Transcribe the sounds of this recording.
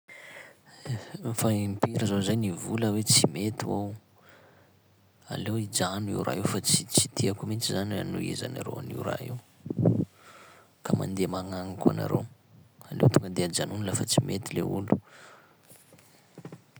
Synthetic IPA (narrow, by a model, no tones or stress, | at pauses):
faimpiɾəzozajnivuləwet͡simet̪iaw | a̰lewid͡ʒanḭwɾʔa̰ɦewfat͡sit͡sit̪ʰiakumit͡ʃizananuḛza̰na̰ɾo̰a̰nḭɾa̰ew | kama̰nd̪emaŋaŋika̰na̰ɾewalḛwt̪uŋɡəd̪ead͡ʒanunilafat͡simʔet̪ileulu̥